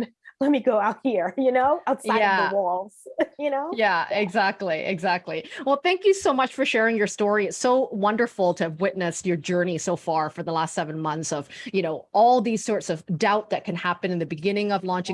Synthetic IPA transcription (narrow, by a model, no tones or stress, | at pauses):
lɛt̚miɡoʊaʊt̚hiɹjɨnoʊaʊtsajædðəwɔlˠz̥jɨnoʊjæɪɡzæk̚tˡliʔɪ̰ɡzæk̚tˡliwɛlˠθæ̃ŋkjɨsoʊmʌt͡ʃfə˞ʃɛɹɪ̃ŋjə˞stɔɹiɨtsoʊwʌ̃ndə˞fl̩ˠtʰɨvwɪtⁿnɨstjə˞d͡ʒɜ˞nisoʊfɑɹfə˞ðəlæstsɛvɨ̃nmʌ̃nθsʌv̥jɨnoʊɔlˠðiz̥sɔɹtsʌvdaʊt̪̚ðɨt̚kʰɨ̃nhæpɨ̃nɨ̃nðɨbɨɡɪ̃nɪ̃ŋʌvlɔ̃nt͡ʃɪ̃